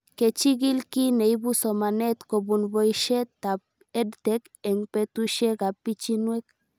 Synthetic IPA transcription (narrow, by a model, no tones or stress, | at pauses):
ket͡ʃiɡilkineibusomanet̪kobunbojʃet̪ap̚ | edt̪ek | eŋpet̪uʃeɡapit͡ʃinwek